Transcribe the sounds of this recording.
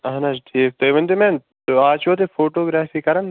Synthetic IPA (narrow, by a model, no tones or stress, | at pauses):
ɐɦnɐd͡ʒʈʰiːk̚t̪ɐjʋɐnt̪emẽːn | t̪aːt͡ʃoːt̪̬efoːʈoːɡɾaːfikɐɾɐn